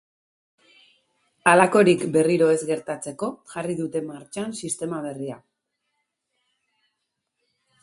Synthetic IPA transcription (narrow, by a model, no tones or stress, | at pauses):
alako̞ɾikbe̞riɾo̞e̞zɣe̞ɾt̪at͡se̞ko̞ʝariðut̪e̞maɾt͡ʃansist̪e̞maβ̞e̞ria